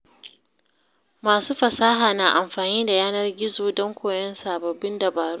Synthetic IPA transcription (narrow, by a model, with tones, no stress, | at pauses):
maː˨suː˦ɸɐ˨saː˦ɦaː˨naː˨ʔa˨mɸaː˨niː˦da˨jaː˦nɐ˦rɡʲɪ˦zoː˨dɔ˦ŋkʷoː˨jɛ˦nsaː˨bɐ˨bːɪ˦ndɐ˨baː˨ɾu˦